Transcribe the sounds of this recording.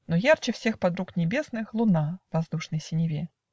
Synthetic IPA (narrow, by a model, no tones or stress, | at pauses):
nɔjart͡ʃɨwsʲɛxpad̪ɾuknʲɛbʲɛsnɨxlˠunavazd̪uʂnɨjsʲinʲivʲɛ